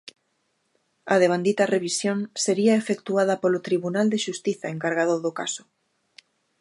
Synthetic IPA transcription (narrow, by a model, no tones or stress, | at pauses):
ɐðeβand̪it̪ɐreβisjõnseɾiaefekt̪uaðɐpolot̪ɾiβunald̪eʃust̪iθaeŋkaɾɣ̞aðoðokasʊ̥